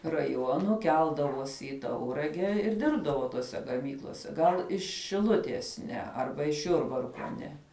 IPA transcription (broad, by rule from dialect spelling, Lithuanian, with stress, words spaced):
rɐˈjuɔnʊ ˈkʲɛlˠdɐʋoːsʲɪ ɪ ˈtɐʊrɐɡʲɛ ɪr ˈdʲɪrbdɐʋoː toːˈsʲɛ ɡɐˈmʲiːklˠoːsʲɛ ˈɡɐlˠ ɪʃ ʃʲɪˈlˠʊtʲiɛs ˈnʲɛ ˈɐrbɐ ɪʃ ˈjʊrbɐrkoː ˈnʲɛ